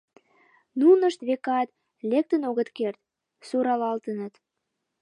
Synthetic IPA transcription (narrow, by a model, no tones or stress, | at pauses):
nunəʃt̪βekɑt̪ | lek̚t̪ənoɣət̪kert̪̚ | suɾɑlɑlt̪ənət̪